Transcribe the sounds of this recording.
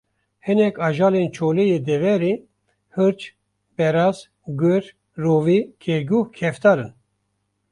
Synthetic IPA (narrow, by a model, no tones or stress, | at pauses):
hɨnɛkɑːʒaːlent͡ʃʰoːlejeːd̪ɛvɛɾi | hɨɾt͡ʃ | bɛɾaz | ɡɨɾ | roːvikʰeɡuhkʰɛft̪aːɾɨn